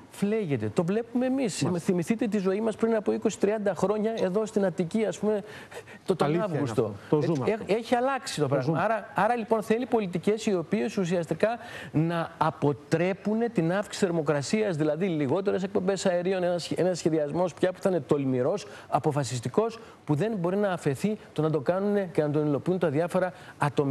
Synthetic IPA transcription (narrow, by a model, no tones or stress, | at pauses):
fle̞ʝe̞t̪e̞t̪o̞vle̞pume̞ːmisθimiθit̪e̞t̪izo̞imɐspɾinɐpoiko̞si̥t̪ɾiɐnd̪ɐxɾo̞ɲɐe̞ðo̞st̪inɐt̪iciɐspume̞ | t̪ot̪ɐvust̪o̞ | eçiɐlɐksi̥t̪opɾɐɐɾɐɐɾɐlipo̞nθe̞lipo̞lit̪ice̞sio̞piesusiɐst̪ikɐnɐːpo̞t̪ɾe̞pune̞t̪inɐfksi̥θe̞ɾmo̞kɾɐsiɐzðilɐðiliɣo̞t̪e̞ɾe̞se̞k̚po̞mbe̞sɐeɾio̞nenɐse̞nɐsçe̞ðiɐzmo̞spçɐpu̥θɐinet̪o̞lmiɾo̞s | ɐpo̞fɐsist̪iko̞s | puðe̞nbo̞ɾinɐːfe̞θit̪o̞nɐd̪okɐnune̞ce̞nɐt̪o̞nilo̞piunt̪ɐðiɐfo̞ɾɐɐt̪o̞mi